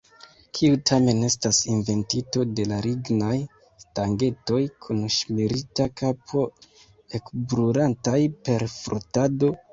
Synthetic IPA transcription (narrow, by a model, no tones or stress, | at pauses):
kʰiutʰame̞ne̞stasinve̞ntito̞de̞laɾiɡnaj | staŋɡe̞to̞jkʰunʃmiɾitakapʰo̞ | e̞kbɾuɾantajpe̞ɾfɾo̰tado̞